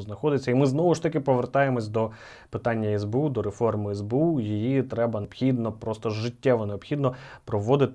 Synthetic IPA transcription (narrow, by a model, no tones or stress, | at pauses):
znɐxɔd̪ɪt͡sʲːɐimɪznɔʋʊʂt̪ɐkɪpɔʋert̪ɑjemɔsʲd̪ɔ | pɪt̪ɑnʲːɐɛzbeud̪ɔɾefɔrmɪɛzbeujijit̪ɾɛbɐnpxʲid̪nɔpɾɔst̪ɔʒɪtʲːɛʋɔneɔpxʲid̪nɔpɾɔʋɔd̪ɪt̪